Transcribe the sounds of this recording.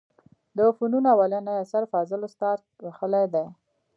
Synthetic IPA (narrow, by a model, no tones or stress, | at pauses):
d̪əfununawalanajasaɾfɑzɪlost̪ɑɾt̪̚waxəlajd̪aj